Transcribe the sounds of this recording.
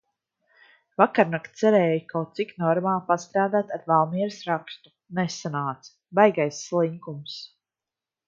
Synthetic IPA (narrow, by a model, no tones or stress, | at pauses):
vakaɾnakt̪sɛɾɛːjukawt̪siknɔɾmaːlˠpast̪ɾaːd̪aːt̪aɾvalˠmiɛɾsɾakst̪u̥ | nɛsːanaːt̪s | bajɡajsːlˠiŋkums